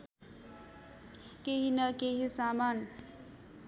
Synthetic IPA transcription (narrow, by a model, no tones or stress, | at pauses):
keɦinʌkeɦisaman